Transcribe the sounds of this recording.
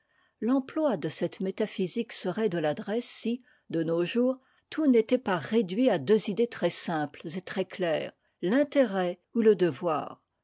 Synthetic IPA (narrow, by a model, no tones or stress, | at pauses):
lɑ̃plwad̪əsɛt̪met̪afiziksəʁɛd̪əlad̪ʁɛsːi | d̪ənoʒuːʁ | t̪ʰunet̪ɛpaʁed̪ɥiad̪øzid̪et̪χɛsɛ̃plzet̪χɛklɛːʁ | lɛ̃t̪eʁɛ | uləd̪əvwa̰ːʁ